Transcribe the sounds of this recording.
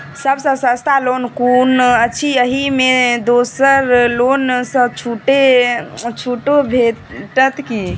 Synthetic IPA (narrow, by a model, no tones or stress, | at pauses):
səbsə̃sə̃st̪alonkunət͡ʃʰiəɦimed̪osəɾlonsə̃t͡ʃʰuʈe | t͡ʃʰuʈobʱeʈət̪ki